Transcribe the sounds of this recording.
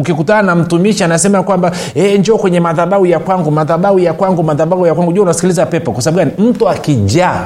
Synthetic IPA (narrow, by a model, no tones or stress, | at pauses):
ukikutananam̩tumiʃianasɛmajakwamba | ɛɲd͡ʒɔːkwɛɲɛmaðaɓaujakwaŋɡumaðaɓaujakwaŋɡumaðaɓahujakwaŋɡuʄuaunasi̥kilizapɛpɔkwasaɓabɓukanim̩tuakiʄa